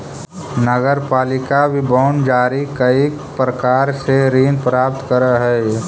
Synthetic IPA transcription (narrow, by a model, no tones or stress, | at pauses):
nəɡəɾpaːlɪkabʱibɔːnd͡ʒaːɾikəi | pɾəkaːɾseɾiːnpɾaːp̚t̪kəɾəɦɛ